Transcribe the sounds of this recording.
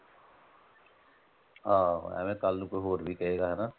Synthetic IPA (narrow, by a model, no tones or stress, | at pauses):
ɦã̰ːɛ̰ːmẽkaːlnũkoɦoːɾbʱikɐɦeːɡaɦɛna